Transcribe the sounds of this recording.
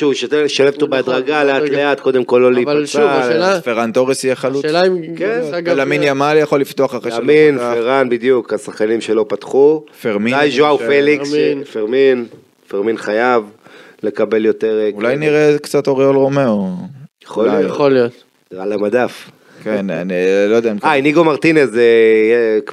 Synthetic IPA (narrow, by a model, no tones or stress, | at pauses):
ʃuʃateʃalevt̪ubead̪ʁaɡalealeat̚ko̞d̪emko̞lːolii | afeʁant̪o̞ʁesijeχaluʃelamkenaɡlaminjamalijaχo̞lːift̪o̞aχaʁeaminffeʁanbid̪jukasaχkanimʃelo̞pat̪χufeʁmiajʒuaufelisfeʁmin | feʁminχajav | le̞kabe̞ljot̪eʁeulajniʁekt͡sat̪oʁiolʁo̞meojeχolaijjχolijot̪ | iʁalamad̪af | kena̰nlojod̪eaimkajniɡomaʁt̪inesej